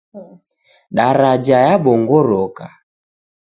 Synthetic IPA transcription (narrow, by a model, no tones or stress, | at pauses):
ɗaɾad͡ʒajaɓɔŋɡɔɾɔka